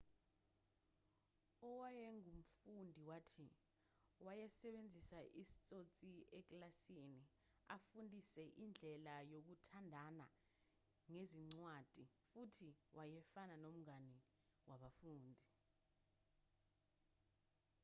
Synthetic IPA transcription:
ɔwajɛŋum̩fundʱiwatʰi | wajɛsɛɓend͡zʱisaʔisi̥t͡sʼot͡sʼiɛk̬ʼlasini | a̰fundʱisɛʔind͡ɮʱɛlajok̬utʰandʱana | ŋeziŋ͡ǀwad̥ʱifutʰiwʔajɛfananom̩ŋani | wʔaɓafuːndʱi

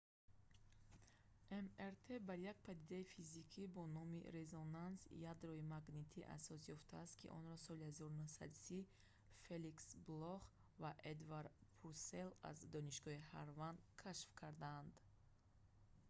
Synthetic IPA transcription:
ʔemeɾt̪ʰe̞baɾjak̚pʰad̪id̪aifizikʰibɔnɔmḭɾe̞zonansjad̪ɾɔimaɡnit̪ʰiʔa̰sɔsjɔft̪ʰaːst̪kʰḭʔɔ̰nɾɔsɔlihazɔɾunuhsa̰d̪si | feliksblɔχ | vaʔed̪vaɾpʰuɾse̞la̰zd̪ɔniʃɡɔhihaɾvand̪kʰaʃfkʰaɾd̪aːnd̪

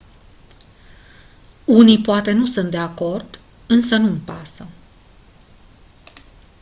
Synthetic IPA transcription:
unijpoat̪e̞nusunt̪̚d̪e̞ako̞rd̪ | ɨnsənuɨmpasə

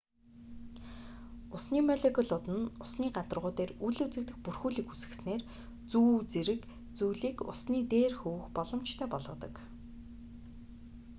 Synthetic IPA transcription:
ʊsniːmɔɮekɔɮʊt̪ɘ̆nʊsniːɢat̪ə̆rʁʊːt̪eːruɮut͡sɘ̆k̚t̪ɘ̆xpurxuːɮiːkusɘ̆ksneːr | t͡suːt͡seɾɘ̆k | t͡sujɮiːkʊ̰sniːt̪eːrxuwxpɔɮɞ̆mt͡ɕt̪ʰœːpɔɮʁɞ̆t̪ə̰̆k

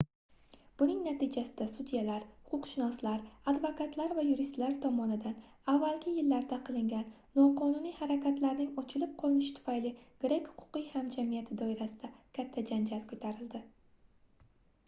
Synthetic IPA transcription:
b̥ʊnɪŋnat̪ʰɪd͡ʒasɪd̪asud̪jalaɾhʊ̥qʰʊqʃɪnɒslaɾad̪vokʰat̪ʰlaɾvajʊɾist̪laɾt̪ʰɒmɒnɪd̪an | avːalɡʲɪjɪlːaɾd̪aqʰɨlˠɪŋɡʲanːɒqʰɒnʊnijhaɾakʲʰat̪laɾnɪŋɒt͡ʃʰɪlɪp̚qʰɒlˠɪnɪʃɪt̪ʰʊ̥fajlɪɡ̥ɪɾakʲhʊ̥qʰʊ̥qɨjhamd͡ʒamijat̪ʰɪd̪ɒɪɾasɪd̪akʲʰat̪ʰːad͡ʒand͡ʒalkʰɵt̪ʰaɾɪld̪ɪ

